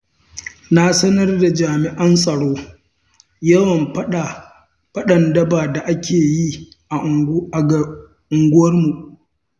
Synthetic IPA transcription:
na˦sɐ˦nɐ˦rda˨d͡ʒaː˨mɪ˨ʔɐ˦nsʼɐ˨ɽoː˦ | jɐ˦wɐ˨m˦˨ | pɐ˦ɗɐ˨ndɐ˦baː˨da˨ʔa˦kʲʰeː˨ji˦ | a˨ | ʔʊ˨ŋɡʷʊ˦wɐ˦rmu˨ʔ

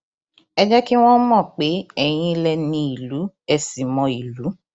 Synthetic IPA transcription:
ɛ˦d͡ʒɛ˦ki˦w̃ɔ̃˦mɔ̃˦˨k͡pe˨˦ɛ˨j̃ĩ˧˦lɛ˧nĩ˧i˨lu˨˦ | ɛ˧si˨mɔ̃˧i˨lu˨˦

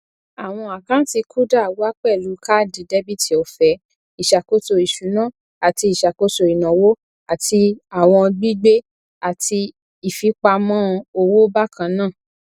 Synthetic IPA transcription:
a˨w̃ɔ̃˧a˨kã˦ti˧kʰu˦da˦˨wo˦a˦k͡pɛ˦˨lu˨˦ka˦˨dĩ˨de˦bi˦˨ti˨ɔ˨fɛ˨˦ | i˨ʃa˨ko˦to˧i˨ʃu˨˦nãː˦˨ | a˨ti˧i˨ʃa˨ko˦to˧i˨nã˨wo˦ | a˨ti˧a˨w̃ɔ̃˧ɡ͡bi˦ɡ͡be˦ | a˨ti˧ | i˨fi˨˦k͡pa˧mɔ̃˦˧o˧wo˦ba˦kʰã˧nãː˦˨

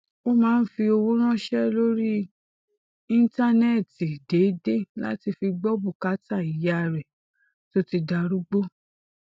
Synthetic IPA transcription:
o˦mãː˦n̩˦fi˧o˧wo˦ɾ̃ã˦ʃɛ˦lo˦ɾi˦ | ĩ˦n˦ta˦nɛ˦˨ti˨de˨˦de˦la̰˦ti˧fi˧ɡ͡bɔ˦bu˦˨ka˨˦ta˦˨i˨ja˨˧ɾɛ˨ | to˦ti˧da˧ɾu˦ɡ͡bo˦

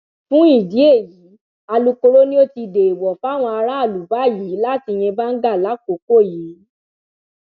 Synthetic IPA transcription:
fũ˦i˦˨di˨˦e˦˨ji˨˦ | a˧lu˧ko˧ɾo˦nĩ˦o˦ti˧de˨i˨wɔ˨fa˦˨w̃ɔ̃˧a˧ɾa˦a˦˨lu˨˦ba˨˦˨ji˨˦la˦˨ti˧j̃ɛ̃˧ba˦n̩˦ɡa˦˨la˨˦ko˨˦ko˦˨jiː˨˦

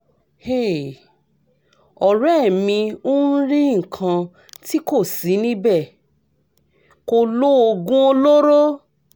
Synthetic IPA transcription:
he˦˨ | ɔ˨ɾɛ˦˨mĩ˧o˦n̩˦ɾi˦ŋ̩˨kʰã˧ | ti˦ko˦˨si˨˦nĩ˦bɛ˦˨ | ko˧lo˦o˧ɡũ˦o˧lo˦ɾo˦

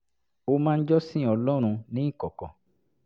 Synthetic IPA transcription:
o˧mãː˦˧n̩˦d͡ʒɔ˦sĩ˦ɔ˧lɔ˦ɾ̃ũ˧nĩ˨˦˨kɔ˨kɔ̃˨

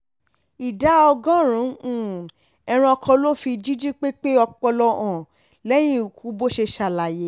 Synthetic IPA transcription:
i˨da˨˦ɔ˧ɡɔ̃˦ɾ̃ũ˨˦ũ˦˨ | ɛ˧ɾ̃ĩ˧ɔ˧kʰɔ̃˧lo˦fi˧d͡ʒi˦d͡ʒi˦k͡pe˦k͡pe˦ɔ˧k͡pɔ˧lɔ˧ɔ̃˨ | lɛ˦j̃ĩ˦u˨kʰu˨˦bo˦ʃe˧ʃa˧˨la˨je˨˦

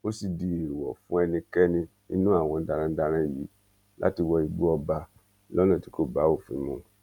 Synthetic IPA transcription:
o˦si˨di˨e˨wɔ˨fũ˦ɛ˧nĩ˧kɛ˦nĩ˧ | i˧˦nũ˦a˦˨w̃ɔ̃˧da˧ɾ̃ã˧˦da˧ɾ̃ã˧˨ji˨˦ | la̰˦ti˧wɔ˧i˨˧ɡ͡bu˦ɔ˧ba˧ | lɔ˦lã˦˨ti˨˦ko˦˨ba˨˦o˦˨fḭ̃˨˧˦mũ˧

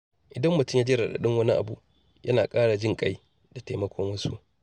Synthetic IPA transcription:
ʔɪ˨dɐ˦mːʊ˨tʊ˦˨mjaː˦d͡ʒɪ˦ɾa˨ɗa̰˨ɗɪ˦ŋwɐ˦ni˦ʔa̰˨bṵ˦ | jʔɐ˦naː˨kʼaː˦ɽa˨d͡ʒɪ˦ŋkʼa˦j | d̥a˨teː˨mɐ˦kʷoː˦mʊ˦su˦ʔ

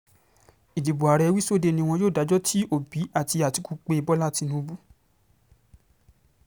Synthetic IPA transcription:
i˨d͡ʒi˨bu˨a˨ɾɛ˨˧wi˦so˦˨de˧˦˨nĩ˧w̃ɔ̃˧joː˦˨da˨˦d͡ʒɔ˦tʰi˦o˦˨bi˨˦a˦˨ti˧a˨ti˨˦ku˧k͡pe˧˦i˧bɔ˦la˦˨ti˧nũ˧˦˧bu˦

